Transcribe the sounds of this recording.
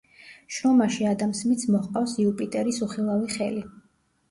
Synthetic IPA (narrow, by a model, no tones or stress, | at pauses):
ʃɾɔmaʃiad̪amsmit̪sʰmɔχqʼafsiupʼit̪ʼɛɾisuχilˠaviχɛli